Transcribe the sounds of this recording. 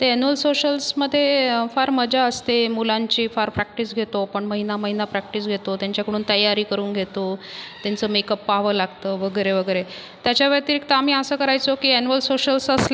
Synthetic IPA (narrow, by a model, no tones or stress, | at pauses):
t̪eænuəlsoɕəlsməd̪ʱːjefaɾməd͡ʑʱaəst̪emulãɲt͡ɕiːfaɾpɾæk̚ʈisɡʱet̪opəɳməɦinaməɦinapɾæk̚ʈis̬ɡʱet̪ot̪jãɲt͡ɕjakəɽ̃uːnt̪əjːaɾiːkəɾuːnɡʱet̪ot̪jant͡səːmekəpːaɦʋəlaɡt̪əʋəɡəjɾeʋəɡəjɾe | t̪jat͡ɕjaʋəɾt̪iɾikt̪əam̤iːəsəːkəɾajt͡sokiːænuʋəlsoɕəlsəsle